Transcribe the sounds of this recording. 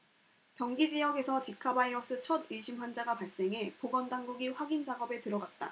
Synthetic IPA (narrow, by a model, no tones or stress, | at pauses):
kjʌŋɡid͡ʑijʌɡe̞sʰʌt͡ɕikʰabaiʌs͈ʰɯt͡ɕʰʌdɯiɕʰimɸwand͡ʑaɡapaɭs͈e̞ŋɦe̞poɡʌndaŋɡuɡiɸwaɡind͡ʑaɡʌbe̞tɯɾʌɡat̚t͈a̰